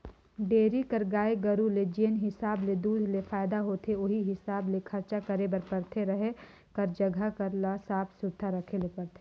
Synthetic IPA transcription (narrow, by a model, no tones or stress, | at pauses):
ɖeːɾikɐɾɡaːeɡɐɾuled͡ʒiənɦɪsaːbled̪uːd̪ʱlefaːɪd̪aɦoːt̪ʰeoɦiɦɪsaːblekʰɐɾt͡ʃakɐɾebɐɾpɐɾt̪ʰeɾɐɦe | kɐɾd͡ʒɐɡʱakɐɾlasaːpsʊɾt̪ʰːaɾɐkʰelepɐɾt̪ʰe̥